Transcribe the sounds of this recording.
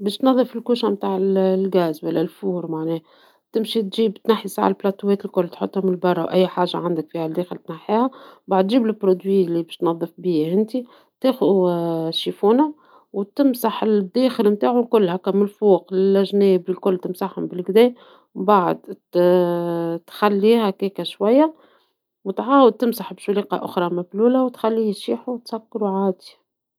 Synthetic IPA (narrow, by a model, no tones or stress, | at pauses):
bɛːʃt̪nɑðˤːɨfɪlkuːʃæmt̪aːʕɪllɡæːzwælːælfuːɾmaʕnɛːhæ | t̪ɪmʃit̪ʒiːbt̪naħːisa̰ʕ̰lplɑt̪uwɛːt̪ɪlkʊlːt̪ħo̰t̪ˤːhʊmɪlbɑrˤːɑwʔæjːħaːʒːa̰ʕand̪ɪkfiːhæld̪eːxəlt̪naħːiːhæbaʕd̪ʒiːblɪpːɾod̪wiːlːibɛʃt̪nɑðˤːɨfbiːhɪnt̪i | t̪eːxʊðuʃːifuːnæ | wt̪ɪmsaħld̪ːeːxɪlmt̪aːʕʊlkʊlːhækːæmʊlfuːqlɪlʔæʒneːbɪlkʊlːt̪ɪmsaħhʊmbɪlɡd̪ɛː | wbaʕə̰d̪ | t̪xælːiːhækeːkæʃwæjːa | wt̪ʕaːwəd̪̚t̪ɪmsaħbʃuliːqɑ̰ʔʊ̰xɾˤɑmæbluːlæwt̪xælːiːʃiːħuwt̪sækːɾuʕaːd̪i̥